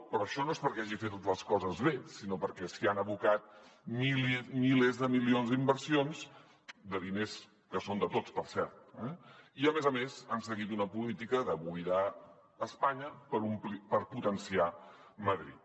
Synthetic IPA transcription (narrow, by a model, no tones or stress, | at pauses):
pɾɔəʃɔnoespəɾkɛaʒifet̪t̪ləskɔzəzβesinopəɾkɛsianəβukat̪̚milmilezðəmilionzd̪imbəɾsionz̥ | d̪əðines | kəsond̪ət̪ot͡spəɾsɛɾt̪̚ɛiəmezəmezansəɣit̪unəpulit̪ikəðəβuiðaː | spaɲəpəɾumpəɾput̪ənsia | məðɾḭt̪̚